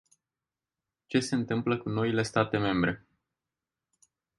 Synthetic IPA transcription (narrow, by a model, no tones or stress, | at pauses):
t͡ʃe̞se̞ɨnt̪ɨmpləkuno̞ile̞st̪at̪e̞me̞mbɾe̞